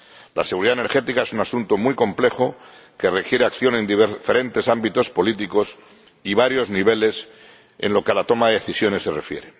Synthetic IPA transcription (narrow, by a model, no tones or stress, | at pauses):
la̰seɣuɾiðaene̞ɾxe̞t̪ikae̞sunasunt̪omujko̞mple̞xo | kere̞kje̞ɾe̞akθjo̞nẽ̞nd̪iβefe̞ɾe̞nt̪e̞sambit̪o̞spo̞lit̪iko̞s | iβaɾjo̞zniβe̞les | e̞̰nlo̞kealat̪o̞maðeðeθisjo̞ne̞sːe̞re̞fje̞ɾe̞